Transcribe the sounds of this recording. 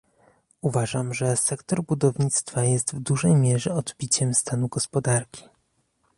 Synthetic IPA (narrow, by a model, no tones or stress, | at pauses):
uvaʐamʐɛsɛkt̪ɔɾbud̪ɔvɲit̪st̪fajɛst̪vd̪uʐɛjmʲjɛʐɛɔd̪bʲit͡ɕɛmst̪anuɡɔspɔd̪aɾkʲi̥